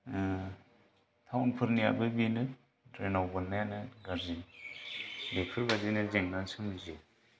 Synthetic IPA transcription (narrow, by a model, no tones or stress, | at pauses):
t̪ʰawnpʰɯɾnija̰bɯbinɯ | dɾenawbɯnːajanɯɡaɾzin | bekʰɯɾbazinɯzeŋnansɯmɯzi